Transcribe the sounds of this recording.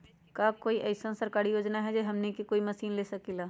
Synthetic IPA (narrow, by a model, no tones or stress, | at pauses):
kakoːiʔɛɪsənsəɾkaːɾijoːd͡ʒnaɦɛd͡ʒeɦɐmnekikoːimɐsiːnleːsɐkilaː